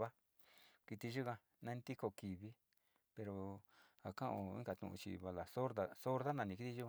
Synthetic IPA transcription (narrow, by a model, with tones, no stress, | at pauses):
βa˦ | ki˧t̪i˧ʒu˦kã˧ | nã˦nd̪i˦ko˧ki˨βi˦ | pe˧ɾo˧ | a˨kã˦ʔõ˧ḭ˦ŋɡa˧t̪ṵ̃˧ṵ̃˧t͡ʃḭ˧βa˧la˨so˦ɾða˨so˦ɾða˦nã˧nĩ˧ki˦t̪i˧ʒu˦kã˧